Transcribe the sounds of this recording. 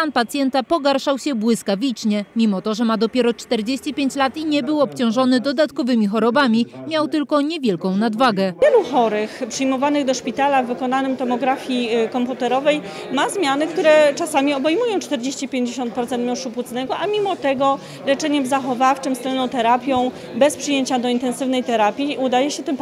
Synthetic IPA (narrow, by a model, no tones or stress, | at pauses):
anpat̪sʲjɛnt̪apɔɡaɾʂawɕɛbwɘskavʲit͡ʂɲɛmʲimɔt̪ɔʐɛmad̪ɔpʲjɛɾɔt͡ʂt̪ɛɾd͡ʑeɕt͡ɕipʲjeɲt͡ɕlat̪iɲɛbɘwɔpt͡ɕɔ̃w̃ʐɔnɘd̪ɔd̪at̪kɔvɘmʲixɔɾɔbamʲimʲjawt̪ɘlkɔɲɛvʲjɛlkɔ̃w̃nad̪vaɡɛjɛluxɔɾɘxpʂɘjmɔvanɘɣd̪ɔʂpʲit̪alavːɘkɔnanɘmt̪ɔmɔɡɾafʲjikɔmput̪ɛɾɔvɛj | mazmʲjanɘk̚t̪uɾɛt͡ʂasamʲiɔbɛjmujɔ̃w̃t͡ʂt̪ɛɾd͡ʑeɕt͡ɕipʲjeɲd͡ʑeɕɔnt̪̚pɾɔt̪sɛnt̪mjɔ̃ʂupwut̪snɛɡɔʔamʲimɔt̪ɛɡɔ | lɛt͡ʂɛɲɛmzaxɔvaft͡ʂɘmst̪ɛlnɔ̃w̃t̪ɛɾapʲjɔ̃w̃ | bɛspʂɨjeɲt͡ɕad̪ɔint̪ɛnsɘvn̪ɛjt̪ɛɾapʲjiud̪ajɛɕɛt̪ɘm